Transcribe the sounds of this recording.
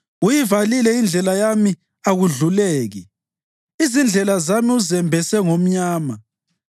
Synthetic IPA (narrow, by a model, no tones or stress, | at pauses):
ujivalilɛind͡ɮʱɛlajami | aɣuɮuleːɣi | izind͡ɮʱɛlazamiuzɛmbʱɛsɛŋom̩ɲaːma